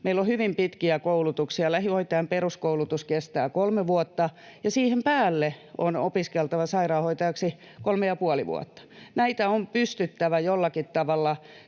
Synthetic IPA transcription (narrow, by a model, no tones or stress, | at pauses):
meilːohyʋimpit̪kiækoulut̪uksiɑlæhioit̪ːˑɑːmperuskoulut̪uskest̪æːkolmeʋuot̪ːɑjɑsiːhempæːlːeo̰no̰piskelt̪ɑʋɑsɑirɑːhoit̪ɑjɑksi | kolmejɑpuɔlḭʋṵɔ̰t̪ːɑ̥næit̪æompyst̪yt̪ːæʋæjolːɑkit̪t̪ɑʋɑlːɑ